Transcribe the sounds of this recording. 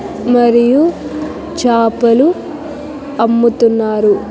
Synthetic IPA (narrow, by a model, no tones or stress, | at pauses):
mɐɾiju | t͡ʃaːpɐlu | ɐmːut̪unːaːɾu